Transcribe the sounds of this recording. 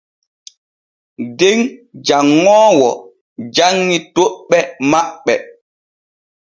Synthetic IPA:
deŋd͡ʒaŋːɔːwɔ̰ | d͡ʒaŋːitoɓːɛmaɓːɛ

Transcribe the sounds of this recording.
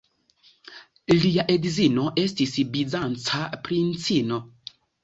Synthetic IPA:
liaʔedzino̞ʔe̞stisbizant͡sapɾint͡sino̞

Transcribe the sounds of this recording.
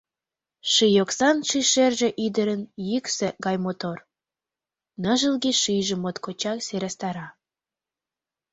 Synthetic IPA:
ʃijoksɑnʃiʃerʒe̽ʔid̪əɾənjyksĕɡɑjmot̪or | nəʒəlɣiʃijʒĕmot̪kot͡ɕɑkseɾɑst̪ɑɾɑ

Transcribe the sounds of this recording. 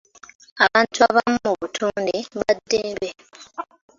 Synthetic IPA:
aβaːntuaβammuβutʰuːndeβadːeːbe

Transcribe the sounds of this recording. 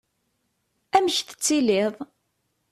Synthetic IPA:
æməçθə̥t͡sːilɪðˤ

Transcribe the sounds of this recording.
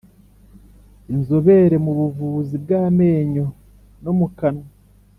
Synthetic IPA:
inzoβe̞ɾe̞muβuvuːzibɡaːme̞ːɲo̞ | no̞mukano

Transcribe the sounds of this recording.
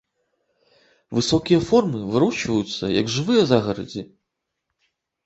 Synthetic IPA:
vɨsɔkʲijɐfɔrmɨvɨɾut͡ʂvɐjut̪sːɐjɐɡʐɨvɨjɐzaɣɐɾɐ̰d͡zʲi

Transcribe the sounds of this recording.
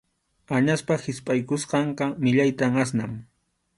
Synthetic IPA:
aɲaspahɪspʼajkʊsqɑɴqɑmɪʎajt̪amasnam

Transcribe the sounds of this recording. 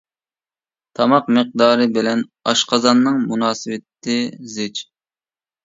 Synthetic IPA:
t̪ʰɑmɑqmɨq̚d̪ɑːɾɨbɪlɛnɑʃqɑzɑnːɨŋmunɑːsɨwɪt̪ʰːɪzɪt͡ʃ

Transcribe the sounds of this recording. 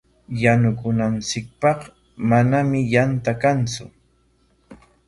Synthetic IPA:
janʊkʊnant͡sɪk̚pɑq | manamɪjant̪akant͡sʊ̰

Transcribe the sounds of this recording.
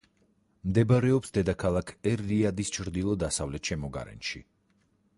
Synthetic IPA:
md̪ɛbaɾɛɔpsd̪ɛd̪akʰalˠakʰɛɾːiad̪ist͡ʃʰɾd̪ilˠɔd̪asavlɛt̪ʃɛmɔɡa̰ɾɛ̰nʃḭ

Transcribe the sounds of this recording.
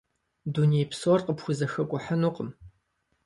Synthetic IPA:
duniejpsorqəpxʷʊzɐxɐkʷʼʊħɐnuːqʼəm

